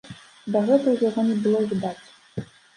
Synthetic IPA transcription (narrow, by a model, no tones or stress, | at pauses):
d̪ɐɣɛt̪ɐjaɣɔnʲɛbɨlˠɔvʲid̪at͡sʲ